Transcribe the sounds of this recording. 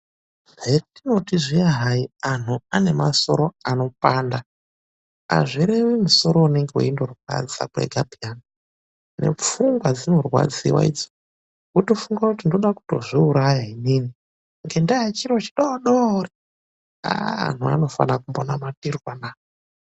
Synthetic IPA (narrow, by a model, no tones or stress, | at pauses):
etino̞tiʐiaɦaian̤uane̞maso̞̰ɾo̞ano̞paːnda | a̰ʐiɾe̞wimuso̞ɾo̞uneŋɡewḛindo̞rwa̰d͡za̰kwḛɡʱabiana | ne̞̰p͡fuŋɡwad͡zino̞rwa̰d͡zḭwa̰ḭːd͡zo | kuto̞fuŋɡwakutindo̞ɗaku̥to̞̰ʐiuɾajainini | ŋɡe̞ndaat͡ʃiɾo̞t͡ʃi̥ɗoɗori | a̰a̰n̤ua̰no̞fa̰nakumbonamatirwanaːo